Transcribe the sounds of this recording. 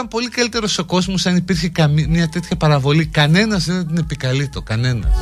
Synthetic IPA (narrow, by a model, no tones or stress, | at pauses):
ɐmpo̞likɐlit̪e̞ɾo̞so̞ko̞zmosɐnipiɾçikɐmimɲɐt̪e̞t̪çɐpɐɾɐvo̞likɐne̞nɐzðeðed̪ine̞pikɐlit̪o̞kɐne̞nɐ̰ss